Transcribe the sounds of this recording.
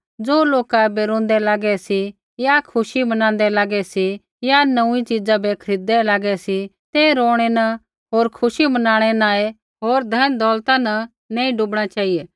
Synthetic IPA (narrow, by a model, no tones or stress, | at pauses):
d͡zoːloːkabeɾõːnd̪ɛlaːɡɛsi | jakʰʊʃimɐnãːn̆d̪ɛlaːɡɛsi | janɐũĩt͡ʃid͡zãbekʰɐɾiːd̪ɛlaːɡɛsit̪eɾoːɽ̃enɐ | ɦoːɾkʰʊʃimɐnãːɽ̃ɛnaːe | ɦoːɾd̪ʱɐnd̪ɔːlt̪ãnɐ | nẽːĩɖubɽ̃at͡ʃaːijeː